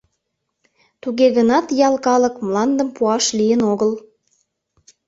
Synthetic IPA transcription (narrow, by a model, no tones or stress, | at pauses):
t̪uɣeɣənɑt̪jɑlˠkɑləkmlɑnd̪əmpuɑʃlijənoɣəl